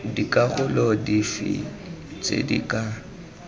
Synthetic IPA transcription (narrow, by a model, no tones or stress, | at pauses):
dikʼaɣʊlɔdifḭt͡sʼḛdikʼa